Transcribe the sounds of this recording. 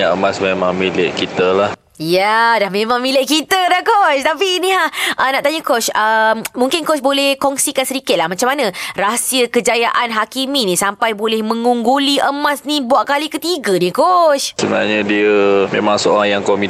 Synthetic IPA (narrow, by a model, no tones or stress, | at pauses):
aʔəmasmemãŋmileʔkit̪əlah | jadahmẽmãŋmĩlɪʔ̚kit̪ədahkɔʃt̪apiːnĩlahʔənaʔt̪aɲəkɔt͡ʃəmmũŋkɪnkɔt͡ʃbolɛhkɔŋsikansəɾikɪt̪̚lahmat͡ʃamanãrasiəkəd͡ʒajaʔanɦakiminĩsampajbolɛhmə̃ŋuŋɡuliʔəmasnĩbuaʔ̚kalikət̪iɡənikɔt͡ʃsəbəna̰ɲədiəmẽmãŋsəo̰ɾaŋjaŋkomi